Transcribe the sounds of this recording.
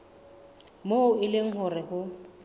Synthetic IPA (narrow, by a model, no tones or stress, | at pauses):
moʊɪlɪŋ̩ɦʊrɪhʊ